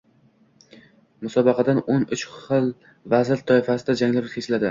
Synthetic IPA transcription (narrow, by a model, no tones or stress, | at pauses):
mʊsɒbɑqʰɑd̪anonʊt͡ʃχɨlˠ | vazɪɾt̪ʰɒɪfasɪd̪ad͡ʒaŋlɪɾʊeslad̪ɪ